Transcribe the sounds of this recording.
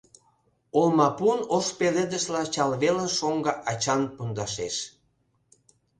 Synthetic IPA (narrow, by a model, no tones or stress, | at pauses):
olmɑpunoʃpeled̪əʃlɑt͡ɕɑlβeləʃoŋɡɑʔɑt͡ɕɑnpund̪ɑʃeʃ